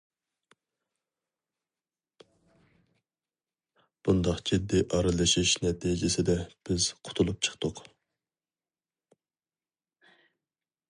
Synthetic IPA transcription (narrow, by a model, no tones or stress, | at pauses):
b̥und̪ɑχd͡ʒid̪ːiʔɑɾɨlˠɨʃiʃnɛt̪ʰid͡ʒɪsɪd̪ɛb̥ɪz̥qʰʊ̥t̪ʰulˠup̚t͡ʃʰə̥χt̪ʊq